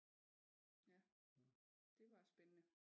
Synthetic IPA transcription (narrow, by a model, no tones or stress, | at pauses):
jæ | d̥e̝ʋɑ̈sb̥enənə